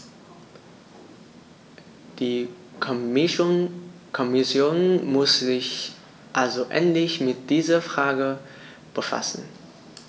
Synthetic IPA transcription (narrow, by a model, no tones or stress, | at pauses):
d̥iː | k | kʰɔmɪsjoːnmʊszɪç | ʔalzoʔɛ̰ntlɪçmɪt̚d̥iːzɐfʁ̥aːɡə | b̥əfa̰sn̩